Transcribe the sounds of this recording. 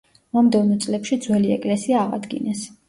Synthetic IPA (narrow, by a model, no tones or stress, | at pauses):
mamd̪ɛvnɔt̪sʼlɛpʃid̪zwɛliɛ̰kʼlɛsiaːʁa̰d̪ɡḭnɛs